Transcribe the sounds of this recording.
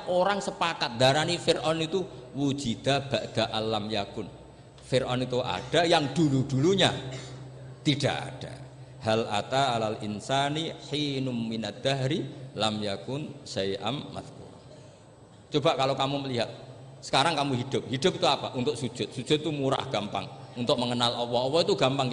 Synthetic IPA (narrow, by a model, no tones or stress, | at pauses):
ʔoɾaŋsəpakat̪̚d̪aɾanifɪrʔɔnit̪uwu̥d͡ʒid̪̥ab̥aʔd̪̥aʔanlːamjakʊn | fɪrʔɔnit̪uʔa̰ɖ̥ajaŋd̥uluɖ̥uluɲa̰ | t̪iɖ̥aʔa̰ɖ̥a | halʔa̰t̪aʔːlalʔɪnsaniħiːnʊminad̪̥aɦɾilamjakʊnʃajʔa̰nma̰ðkṵɾa̰n | t͡ʃobaʔkalokamuməliɦat̪̚ | sə̥kaɾaŋkamuɦid̪̥ʊp̚hid̥̪ʊp̚it̪uapaʔunt̪ʊksu̥ʒ̥ʊt̪̚su̥d͡ʒ̥ʊt̪̚t̪umuɾa̰hɡ̥ampa̰ŋunt̪ʊʔ̚məŋənalʔɔwɔɔwɔit̪uɡ̥ampaŋ